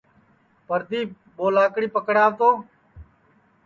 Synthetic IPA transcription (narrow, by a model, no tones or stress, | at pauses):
pəɾd̪iː | ɓoːlaːkɽiːpəkɽaːʋt̪oː